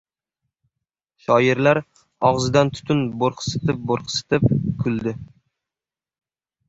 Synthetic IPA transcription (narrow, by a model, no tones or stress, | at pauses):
ʃɒjɪɾlaɾ | ɒʁzɪd̪ant̪ʰʊ̥t̪ʰʊnboɾqʰsɪ̥t̪ʰɪp̚boɾqʰɨ̥sɪ̥t̪ʰɪp̚kʰʊld̪ɪ